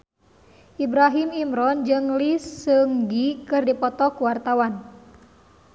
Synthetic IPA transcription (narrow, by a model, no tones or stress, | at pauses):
ʔibɾaɦimimɾɔnd͡ʒɨŋlisɨŋɡikɨrdipɔt̪ɔkuwart̪awan